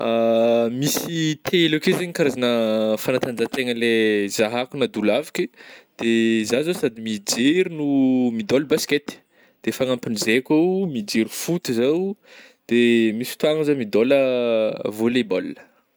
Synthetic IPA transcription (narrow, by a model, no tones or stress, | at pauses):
amisit̪ʰeelakezeɲikaɾazanəfanat̪and͡ʒat̪eŋəlezaɦakunad̪ulavikid̪̥ezazosad̪imid͡ʒiɾinumid̪ɔlbasket̪i̥ | d̪̥efaŋampinizekʲamid͡ʒiɾifut̪uzaw | d̪̥emisi̥t̪uaŋəzamid̪olə | volebolnə̥